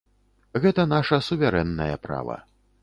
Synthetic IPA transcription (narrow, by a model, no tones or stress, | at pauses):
ɣɛt̪ɐnaʂɐsuvʲaɾɛnːɐjɐ̰pɾa̰vɐ̰